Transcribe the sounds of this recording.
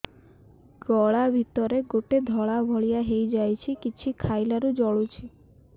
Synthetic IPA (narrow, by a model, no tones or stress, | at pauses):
ɡɔɭabʱit̪ɔɾeɡoʈed̪ʱɔɭabʱɔɭijaɦejd͡ʒajt͡ʃʰikit͡ʃʰikʰajlaɾud͡ʒɔɭut͡ʃʰi